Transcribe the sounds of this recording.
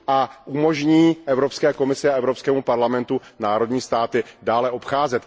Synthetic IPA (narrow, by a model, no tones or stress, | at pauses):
ʔaʔumo̞ʒɲiːʔɛvɾo̞pskɛːko̞mɪsɪaɛvɾopskɛːmupaɾlamɛnt̪unaːɾo̞dɲiːst̪aːt̪ɪdaːlɛʔo̞pxaːzɛt̪